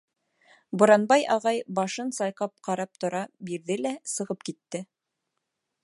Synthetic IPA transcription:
bŏɾɑnbɑjɑʁɑjbɑʃɤnsɑjqɑp̚qɑɾɑp̚t̪ŏɾɑbiɾðɘlæsɤ̆ʁɤpkit̪ːɘ

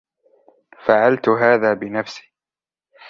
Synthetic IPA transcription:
faʕalt̪ʊɦaːðaːbɪnafsi̥ː

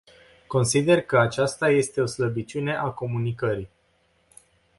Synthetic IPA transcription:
ko̞nsid̪e̞rkəat͡ʃast̪aje̞st̪e̞o̞sləbit͡ʃʲune̞ʔako̞munikəɾi

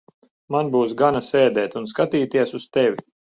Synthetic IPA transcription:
manbuːsɡanasɛːd̪ɛːt̪unskat̪iːt̪iɛsust̪ɛʋʲi

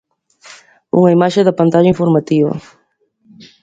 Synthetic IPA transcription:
ṵŋɐimaʃeðɐpant̪aʒaiɱfoɾmat̪iβɐ̰

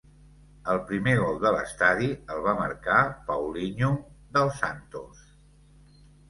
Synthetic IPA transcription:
əlˠpɾimeɣɔlˠd̪ələst̪aðiəlˠβ̞amə̰ɾkapəwliɲuðəlˠsant̪us

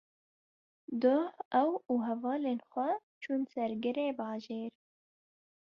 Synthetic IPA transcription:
d̪ohɛwuːɦɛvɑːleːnxʷɛt͡ʃʰunsɛɾɡɨɾeːbɑːʒeːɾ

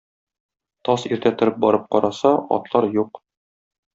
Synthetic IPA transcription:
t̪ɒsiɾt̪æt̪ɘ̆ɾɘp̚bɒɾɤp̚qɒɾɑsɑɒ̰t̪lˠɑɾjuq

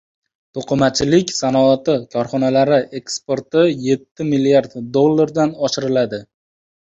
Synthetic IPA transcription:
t̪ʰoqʰɨmat͡ʃʰɪlɪkʲsanɒat̪ɪkʰɒɾχɒnalaɾɪʔe̞kspoɾt̪ɪje̞t̪ʰːɪmilijaɾd̪d̪o̞lˠːaɾd̪anɒʃɪɾɪlad̪ɪ

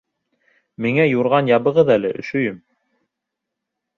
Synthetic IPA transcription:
miŋæjuɾʁɑnjɑβɤ̆ʁɤðælɘʔɵ̆ʃɵ̆jɵm

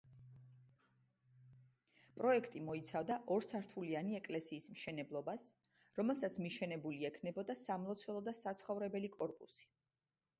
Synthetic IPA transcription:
pʼɾɔɛkʰt̪ʼimɔit̪sʰavd̪aʔɔɾsʰaɾt̪ʰulianiɛkʼlɛsiːsmʃɛnɛblˠɔbas | ɾɔmɛlˠsat̪sʰmiʃɛnɛbuliɛkʰnɛbɔd̪asamlˠɔt̪sʰɛlˠɔd̪asat̪sʰχɔvɾɛbɛlikʼɔɾpʼṵsi̥

